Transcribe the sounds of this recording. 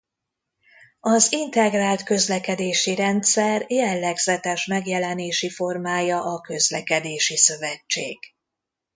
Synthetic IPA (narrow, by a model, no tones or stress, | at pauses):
ɒzint̪ɛɡraːlt̪kø̞zlɛkɛd̪eːʃiɾɛnt̪sɛrjɛlːɛɡz̥ɛt̪ɛʃmɛɡjɛlɛneːʃifo̞rmaːjɒʔɒkø̞zlɛkɛd̪eːʃisø̞vɛt͡ʃːḛːɡ̥